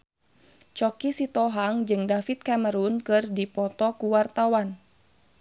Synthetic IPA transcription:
t͡ʃɔkisit̪ɔɦaŋd͡ʒɨŋdafit̪̚kaməɾunkɨrdipɔt̪ɔkuwart̪awan

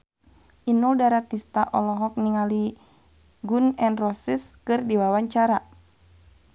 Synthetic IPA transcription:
ʔinuldaɾat̪ist̪aʔɔlɔɦɔk̚niŋali | ɡunɛnrɔsiskɨrdiwawaɲt͡ʃaɾa

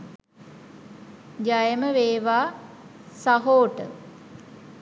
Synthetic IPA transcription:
d͡ʒajəməʋeːʋaː | saɦoːʈə̰

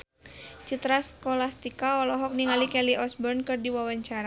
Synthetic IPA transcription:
t͡ʃut̪ɾaskɔlast̪ikaɔlɔɦɔk̚niŋalikɛliʔɔsbɔrnkɨrdiwawaɲt͡ʃaɾa

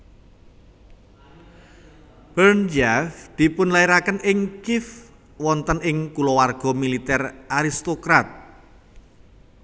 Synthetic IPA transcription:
b̥ərnd͡ʒafd̪̥i̤pʊnlaiɾakənɪŋkɪf | wɔnt̪ənɪŋkulɔwarɡ̥ɔ̤milit̪ɛrʔaɾist̪okɾat̪̚

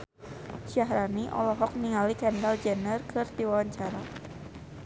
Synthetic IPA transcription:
ʃaɦɾaniʔɔ̰lɔɦɔk̚niŋalikɛndald͡ʒɛnərkʰɨrt̪iwawaɲt͡ʃaɾa

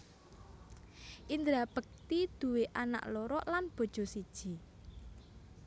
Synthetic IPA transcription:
ʔind̪ɾab̥ək̚t̪id̪̥ṳweʔana̰ʔlɔɾɔʔlanb̥o̤d̥ʒ̥ɔ̤sid̥ʒ̥i̤

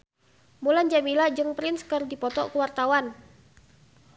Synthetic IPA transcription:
muland͡ʒamilad͡ʒɨŋpɾɪnskərdipɔt̪ɔ̰kuwart̪awan

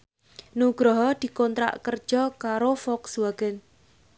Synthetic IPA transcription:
nuɡ̥ɾɔɦɔd̪̥i̤kɔnt̪ɾa̰ʔkər̥ʒ̥ɔkaɾofɔkswaɡ̥ɛn

